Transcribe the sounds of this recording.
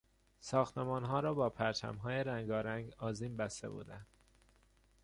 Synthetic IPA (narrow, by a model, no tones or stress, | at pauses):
sɒːxt̪ʰemɒːnɦɒːɾɒːbɒːpʰæɾt͡ʃʰæ̰mɦɒːjeɾæŋɡɒːɾæŋɡɒːziːmbæst̪e̞̰bṵːd̪ænd̪̥